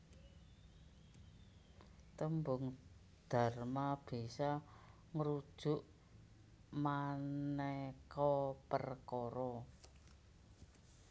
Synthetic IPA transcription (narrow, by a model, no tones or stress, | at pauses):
t̪əmbʊŋ | d̪̥a̤rmab̥isa | ŋəɾud̥ʒ̥ʊ̤ʔ | manekɔpərkɔɾɔ